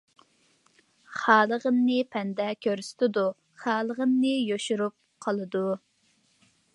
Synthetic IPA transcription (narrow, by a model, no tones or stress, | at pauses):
χɑːlˠəʁənːɨpʰɛnd̪ɛkʲʰøɾsɪ̥t̪ʰɪd̪u | χɑːlˠəʁənːɨjoʃuɾup̚qʰəlˠɨd̪u